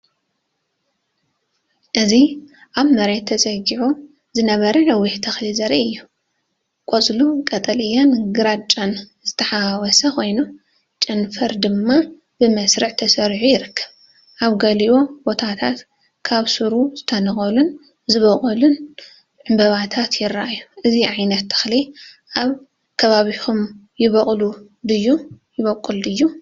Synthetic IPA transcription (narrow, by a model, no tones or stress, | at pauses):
ʔɨziʔaβmɐɾet̪ʰːɐsʼɐɡiʕu | zɨnɐβɐɾɐlɐwːɪħt̪ʰɐxlizɐɾiɨjːu | kʼot͡sʼlukʼɐt̪ʼɐlijanɡɨɾat͡ʃʼanz̥ɨt̪ʰɐħawɔsɐxʰo̞jno | t͡ʃʼɐnfɐɾd̪ɨmːa | b̥ɨmɐsɾɨʕt̪ʰɐsɐɾʕujɪɾɨkʰːɐ̥β | ʔaβɡɐlio̞bo̞t̪ʰat̪ʰat̪ | kʰaβsuɾuzɨt̪ʰɐnɐxʼɐlun | zɨβɐkʼɐlun | ʕɨmbɐβat̪ʰat̪jɪɾːaʔajːuʔɨziʕajnɐt̪ːʰɨ̥xli | ʔaβ | kʰɐβaβixʰumjɪβɐχʼlu | d̪ɨjːu | jɪβɐkʼːuld̪ɨjːu